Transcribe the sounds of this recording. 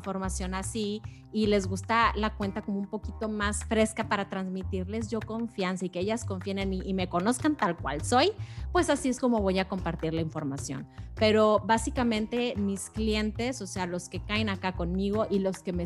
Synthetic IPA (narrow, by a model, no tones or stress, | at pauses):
fo̞ɾmasjo̞nasiː | le̞zɣust̪alakwe̞nt̪ako̞moumpo̞kit̪o̞masfɾe̞skapaɾat̪ɾanzmit̪iɾle̞zʝo̞ko̞ɱfjansaike̞eʝasko̞ɱfjeneniːme̞ko̞no̞skant̪alkwa̰lso̞jpwe̞sasie̞sko̞mo̞βo̞jako̞mpaɾt̪iɾlaiɱfo̞ɾmasjo̞̰npe̞ɾo̞βasikamẽ̞nt̪e̞misklje̞nt̪e̞so̞se̞aloske̞kaenakako̞nmiɣo̞ʔilo̞ske̞me